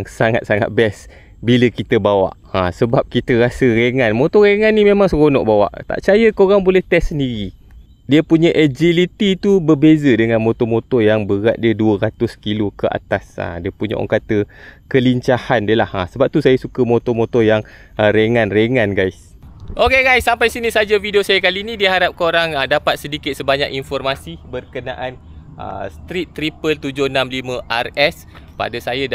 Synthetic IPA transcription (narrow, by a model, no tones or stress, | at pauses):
ŋsaŋa̰t̪̚saŋa̰t̪̚bɛs | biləkit̪əbawa̰ʔ | asəbap̚kit̪əɾasəɾeŋãnmot̪ɔɾeŋanːimẽmaŋsəɣonɔ̰ʔbawa̰ʔt̪a̰ʔt͡ʃajəkəoɾaŋbolɛht̪ɛsːəndiɾi | diəpuɲəʔəd͡ʒilit̪it̪ubərbezədəŋanmot̪ɔmot̪ɔjaŋbəɾat̪̚diəduəɾat̪ʊskilokəʔa̰t̪asa̰diəpuɲa̰ʔo̰ŋkat̪əkəliɲt͡ʃahandiəlahasəbap̚t̪usajəsukəmot̪ɔmot̪ɔjaŋ | əɾeŋãnreŋanɡajs | ʔokeɡajsːampajsinisad͡ʒavidiosajəkaliːnĩdiəɦaɾap̚koɾaŋdapat̪̚sədikɪt̪̚səbaɲakinfɔrmasibərkəna̰ʔan | ʔə̰st̪ɾit̪ːɾipəlt̪ud͡ʒʊhnamlimə̃ʔarɛs | pa̰dasaja